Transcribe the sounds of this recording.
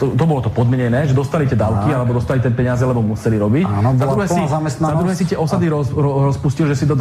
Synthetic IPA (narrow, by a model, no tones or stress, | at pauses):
t̪ɔt̪ɔbɔlɔt̪ɔpɔd̪mɛɲɛnɛːʒɛd̪ɔst̪alit̪ɛd̪aːʊkialɛbɔd̪ɔst̪alit̪ɛpɛɲazɛlɛbɔmusɛliɾɔbicanzad̪uɦɛːizamɛst̪nazad̪ɾuɦɛːsit̪jɛʔɔsad̪iɾɔɔɾɔspuscilʒɛsit̪̬ɔ